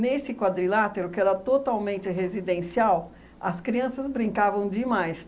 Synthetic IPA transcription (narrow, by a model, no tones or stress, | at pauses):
nesɪkwad̪ɾilat̪eɾʊkɪɛɾɐt̪ot̪awmẽnt͡ʃɪɦezid̪ẽsiaw | ɐskɾiɐ̃sɐzbɾĩŋkavɐ̃w̃d͡ʒɪmajs